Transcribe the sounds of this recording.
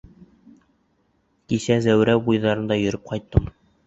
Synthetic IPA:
kisæzæwɾæbujðɑɾɤ̆nd̪ɑjɵ̆ɾɘp̚qɒjt̪ːɤm

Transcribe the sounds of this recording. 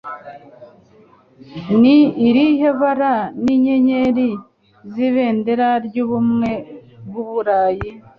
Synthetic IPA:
niːɾiheβaɾaniɲe̞ɲe̞ɾi | ziβe̞ːnde̞ɾaɾɟuːβumŋe̞bɡuβuɾaːji

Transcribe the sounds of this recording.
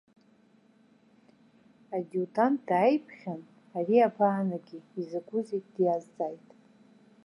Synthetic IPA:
adudand̥ajpʰχʲan | ariabʰaːnaɡʲiizɨɡʷʊzetʼdjazd͡zajtʼ

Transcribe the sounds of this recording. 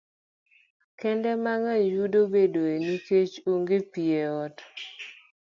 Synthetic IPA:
kɛndɛmaŋajudobedoeniket͡ʃoŋɡepieɔt

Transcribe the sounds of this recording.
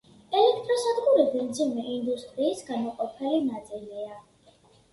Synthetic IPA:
ɛlɛk̚ʰt̪ʼɾɔsad̪ɡuɾibɛmd̪zimɛʔind̪ust̪ʼɾiːsɡanɔqʼɔpʰɛlinat̪sʼilia

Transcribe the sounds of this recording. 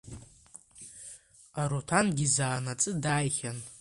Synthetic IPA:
aɾotʰanɡʲizaːnat͡sʼɨdajχʲan

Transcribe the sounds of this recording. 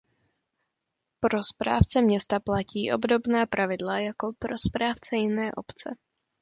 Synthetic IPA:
pɾo̞spɾa̰ːft͡sɛmɲɛst̪aplaciːʔo̞bdo̞bnaːpɾʔavɪdlajako̞pɾo̞spɾaːft͡sɛjɪnɛːʔo̞pt͡sɛ̰

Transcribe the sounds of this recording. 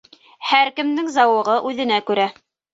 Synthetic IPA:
hæɾkɘ̆md̪ɘŋzɑwɤ̆ʁɤʔʉðɘ̆nækʉɾæ

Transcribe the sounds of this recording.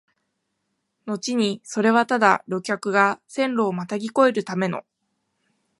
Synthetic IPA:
no̞t͡ɕiɲ̟iso̞ɾe̞βat̪ad̪aɾo̞kʲakɯ̟ɡasẽ̞nɾo̞ːmat̪aɡʲiko̞e̞ɾɯ̟t̪ame̞no̞̰

